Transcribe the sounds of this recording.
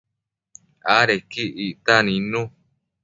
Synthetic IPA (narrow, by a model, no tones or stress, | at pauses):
aɾekiiʔt̪anĩnũ